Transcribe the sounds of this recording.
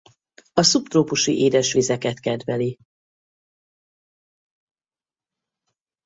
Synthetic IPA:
ɒsupt̪roːpuʃḭʔeːd̪ɛʃʋizɛkɛt̪kɛd̪ʋɛli

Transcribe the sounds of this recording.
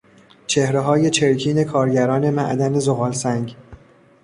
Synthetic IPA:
t͡ʃʰe̞hɾeɦɒːje̞t͡ʃʰe̞ɾcʰiːne̞kʰɒːɾɟæɾɒːne̞mæ̰ʔd̪æne̞zoɣɒːlsæŋɟ

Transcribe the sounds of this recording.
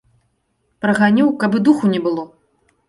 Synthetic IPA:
pɾɐɣanʲiwkabɨd̪uxunʲɛbɨlˠɔ

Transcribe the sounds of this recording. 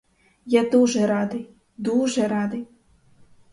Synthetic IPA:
jad̪uʒɛɾɑd̪ɪj | d̪uʒɛɾɑd̪ɪj

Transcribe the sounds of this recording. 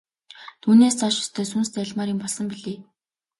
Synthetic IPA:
t̪ʰuːneːst͡saʃʊ̥st̪ʰœːs̬ʊnst͡sæɮmaːɾiːmpɔɮsɞ̆mpiɮeː

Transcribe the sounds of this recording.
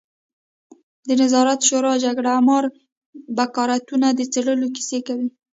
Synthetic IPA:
d̪ənazɑɾat̪ʃoɾɑd͡ʒaɡɽamɑɾ | bakɑɾat̪unad̪ət͡seɽəloki̥sekawi

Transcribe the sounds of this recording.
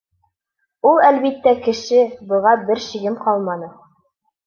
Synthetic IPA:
ulˠælβit̪ːækɘ̆ʃɘbɤ̆ʁɑbɘɾʃiɡɘmqɑlˠmɑnɤ

